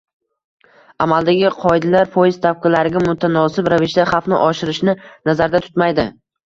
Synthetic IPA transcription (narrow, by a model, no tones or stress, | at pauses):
amalˠd̪aɡʲɪqʰɒɪd̪ɪlaɾpʰojɪz̥t̪ʰap̚qɨlaɾɪɡʲamʊt̪ʰanɒsɪpɾavɪʃd̪aχɑfnɪ̰ʔɒʃɪɾɪʃnɪnazaɾd̪at̪ʰʊ̥t̪majd̪ɪ